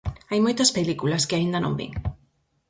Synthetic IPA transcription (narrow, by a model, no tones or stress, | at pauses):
ajmojt̪ɐspelikulɐskɪaind̪ɐnõ̰mbḭŋ